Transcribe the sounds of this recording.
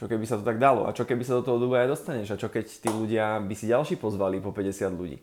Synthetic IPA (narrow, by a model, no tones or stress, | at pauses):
t͡ʃɔkɛbisat̪ɔt̪aɡd̪alɔ̰ʔa̰t͡ʃɔkɛbisad̪ɔt̪ɔɦɔd̪ubuajd̪ɔst̪aɲɛʒat͡ʃɔkɛct̪iːluɟɪabisiɟalʃiːpɔzʋalipɔpɛɟɛsɪad̪ʎṵɟḭː